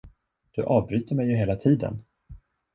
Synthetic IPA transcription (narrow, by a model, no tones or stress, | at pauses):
d̪̥ɵʔɑːvbɾyːt̪əɾmɛjːɵɦeːlat̪ʰiːd̪ə̰n